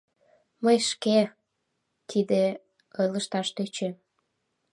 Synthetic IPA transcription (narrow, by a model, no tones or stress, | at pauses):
məjʃke | t̪ʰid̪e | ələʃt̪ɑʃt̪øt͡ɕe